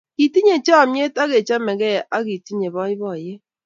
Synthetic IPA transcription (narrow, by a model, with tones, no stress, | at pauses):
ki˨ti˦ɲe˨t͡ʃɔ˦a˨me˦ta˦ke˨t͡ʃa˦mɛ˨kɛ˦a˦ki˨ti˦ɲe˨βɔ˦i˦bɔ˦˨je˦